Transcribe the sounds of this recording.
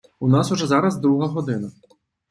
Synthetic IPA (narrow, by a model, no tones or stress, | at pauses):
unasuʐɛzaɾɐzd̪ɾuɦɐɦɔd̪ɪnɐ